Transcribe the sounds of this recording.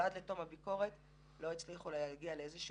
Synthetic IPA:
adleto̞mhabiko̞ʁet | lo̞it͡sliχulejaɡialeezeʃu

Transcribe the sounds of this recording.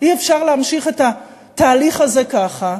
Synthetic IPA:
iefʃaʁleamʃiχe̞t̪a | t̪aːliχaze̞kaχa

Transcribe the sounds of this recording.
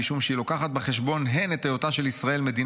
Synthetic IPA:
iʃumʃeilo̞kaχat̪̚beχe̞ʃbo̞nɦenet̪ajot̪aʃelisʁaʔe̞lme̞d̪in

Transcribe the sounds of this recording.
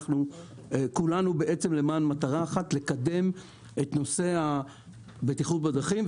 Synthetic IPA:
χnu | ekulanubeʔet͡se̞mle̞maːnmataʁaːχatle̞kade̞m | e̞tno̞se̞a | betiχut̚bedʁaχim

